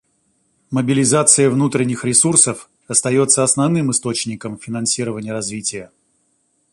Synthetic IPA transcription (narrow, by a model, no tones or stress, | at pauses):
məbʲɪlʲɪzat̪sɨjəvnut̪ɾʲɪnʲːɪxɾʲɪsursəf | ɐst̪ɐjo̞t̪səɐsnɐvnɨmɨst̪o̞t͡ɕnʲɪkəmfʲɪnɐnsʲiɾəvənʲɪjəɾɐzvʲitʲɪjə